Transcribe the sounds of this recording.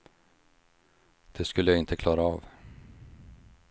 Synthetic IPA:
d̪̥ɛskɵlːəjaɪnt̪ʰəkʰlɑːɾaɑːv

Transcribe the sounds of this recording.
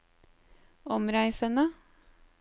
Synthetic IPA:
ɔmɾæɪsənə

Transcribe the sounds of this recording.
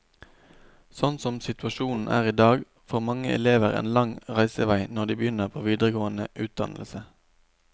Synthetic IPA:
sɔnsɔmsɪt̪ʉɑʃuːnn̩ʔæ̰ːʁiːd̪ɑːɡ | foːʁmɑŋːəʔɛ̰leːʋəʁḛːnlɑŋʁæɪsəʋæɪnɔʁd̪iːbəjʏnəʁpʰoːʋiːd̪ʁəɡoːənəʔʉːt̪̚d̪ɑ̰nlsə

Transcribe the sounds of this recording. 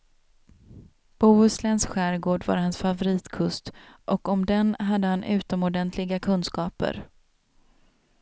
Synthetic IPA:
b̥uːɵslɛnsɧæːɾɡoːɖva̰ɾhansfavʊɾiːt̪kʰɵst̪ʔɔkɔmd̪ɛnɦad̪ːəhanʔʉ̟ːt̪ɔmɔɖɛnt̪ʰlɪɡakʰɵnskɑːpə̰ɾ

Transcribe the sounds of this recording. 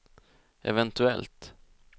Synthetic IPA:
ʔɛ̰vɛnt̪ɵɛlt̪

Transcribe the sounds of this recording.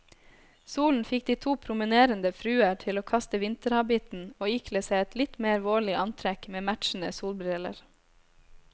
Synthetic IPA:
suːln̩fɪk̚d̪iːt̪ʰuːpʰɾʊmɪneːɾənd̪əfɾʉːəʈʰɪloːkʰɑst̪əʋɪnt̪əɾɑbɪt̪n̩oːɪkʰleːsæɪɛt̪lɪt̪meːɾʋoːɭɪʔɑnt̪ʰɾɛkmeːmætʃn̩əsuːlbɾɪlə̰ɾ

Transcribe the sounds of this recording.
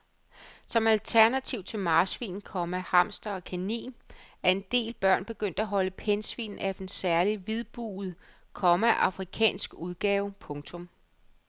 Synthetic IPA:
sɒ̽mælt͡sʰæɐnæt͡sʰiʊ̰t͡sʰe̝lmɑ̈ːsʋḭːn̩kʰɒ̽mæhɑ̈m̰sd̥ɐɒ̽kʰænḭːnæɐe̝nd̥e̝̰ːlb̥ɶɐ̰nb̥e̝ɡ̥øn̰d̥æɦɒ̽ləpʰensʋḭːnæfd̥ensæɐliʋið̞ˠb̥ṵːð̩ˠ | kʰɒmæʔɑ̈fʁikʰɛ̰ːnsɡ̥uð̞ˠɡ̥ɛːʊpʰɔ̽ŋt͡sʰɔ̽m

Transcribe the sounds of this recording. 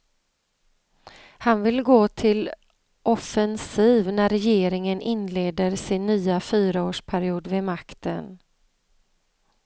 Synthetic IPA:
hanvɪlɡoːt̪ʰɪl | ʔɔfɛnsiːvnæɾɛjeːɾɪŋənʔɪnleːd̪əɾsɪnːyːafyːɾaoːʂpʰæɾɪuːd̪vɛmakt̪ə̰n

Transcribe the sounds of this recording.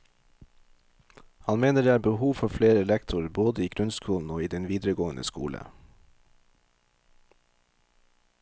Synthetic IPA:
hɑnmeːnəɖeːæːbəhuːʋfɔfleːɾəlɛkt̪ʰʊɾboːd̪əiːɡɾʉnskuːln̩oːiːd̪ɛnʋiːd̪ɾəɡoːənə̰skṵːlə̰

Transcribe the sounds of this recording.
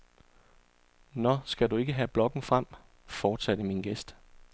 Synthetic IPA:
nɒsɡ̥ædue̝ɡ̥əɦæb̥lɒ̽ɡ̥n̩fʁam̰ | fɒːd̥sæd̥əminɡ̥esd̥

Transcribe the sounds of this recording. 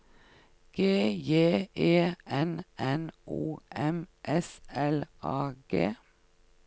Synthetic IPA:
ɡ̥eːjeːʔeːʔɛnɛnʔuːʔɛmʔɛsɛlʔɑːɡ̥ḛː

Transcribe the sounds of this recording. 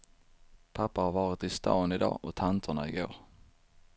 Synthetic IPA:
pʰapːahaɾvɑːɾɪt̪ɪst̪ʰɑ̰ːnɪd̪ɑ̰ːʔɔt̪ʰant̪ʰəɳaɪɡo̰ːɾ

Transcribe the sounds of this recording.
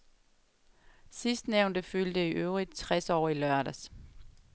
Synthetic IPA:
sisd̥neʊ̃nd̥əføld̥əiʔøʊʁid̥̚t͡sʰʁɛsɒ̰ːilɶɐ̰ɾæs

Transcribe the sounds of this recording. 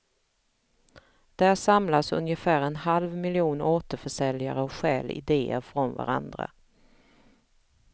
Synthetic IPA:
d̪̥ææʂamlasɵ̰njəfæːɾɛnhalvmɪlɪuːnoːt̪əɾfœʂɛljaɾəɔkɧɛːlɪ̰d̪eːə̰ɾfɾɔnva̰ɾa̰nd̪ɾa̰

